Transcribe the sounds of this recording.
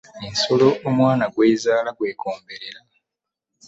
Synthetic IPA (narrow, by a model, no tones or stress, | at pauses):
ensolo̞ːmwaːnaɡwe̞ːzaːlaɡwe̞ːkʰoːmbe̞ɾeɾa